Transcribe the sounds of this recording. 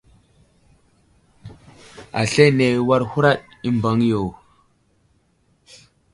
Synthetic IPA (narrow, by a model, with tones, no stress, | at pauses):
a̰˨ɬe˦ne˨wa˦ɾhu˦ɾa˦ɗi˦mba˨˦ŋjo˨